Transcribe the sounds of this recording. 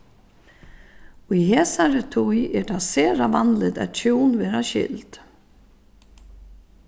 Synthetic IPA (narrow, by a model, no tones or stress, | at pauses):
ujɦɛːsaɾɛt̪ʰujɛɾt̪asɛːɾavanlɪt̪ɛ̰ðt̪ʰuwnvɛːɾaɕɪ̰lt̪